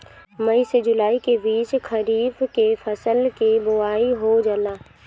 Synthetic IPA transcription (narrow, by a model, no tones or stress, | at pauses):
məised͡ʒʊlaːikebiːt͡ʃkʰəɾiːbkefʰəsəlkebʊaːiɦod͡ʒəlaː